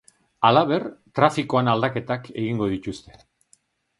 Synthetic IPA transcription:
alaβ̞e̞rt̪ɾafiko̞anald̪ake̞t̪ake̞ɣiŋɡo̞ð̞it̪ust̪e̞̥

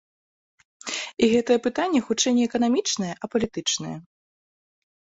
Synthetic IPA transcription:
iɣɛt̪ɐjɛpɨt̪anʲːɛxut͡ʂɛjnʲɛɛkɐnamʲit͡ʂnɐjɛʔɐpɐlʲit̪ɨt͡ʂnɐjɛ̰

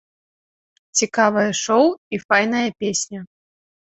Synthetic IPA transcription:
t͡sʲikavɐjɐʂɔwifajn̪ɐjɐpʲesʲnʲɐ

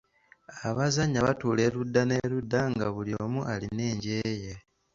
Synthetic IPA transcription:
aβazaɲːaβatuːle̞ɾudːane̞ɾudːaŋɡaβuljoːmuʔaline̞ːɲɟe̞je̞

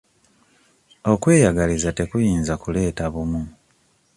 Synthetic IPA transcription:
o̞kwe̞ːjaɡalizate̞kujiːnzakule̞ːtaβumu

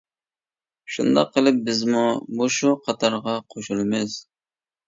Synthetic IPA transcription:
ʃṵnd̪ɑ̰qʰːəlˠɨp̚bɪzmumoʃuqʰɑt̪ʰɑɾʁɑqʰoʃulˠmɪz̥

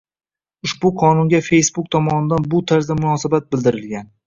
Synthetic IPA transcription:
ʊʃbʊqʰɒnʊŋɡʲafe̞jsbʊk̚t̪ʰɒmɒnɪd̪anbʊt̪ʰaɾzd̪amʊnɒsabat̪̚bɪld̪ɪɾɪlɡʲan

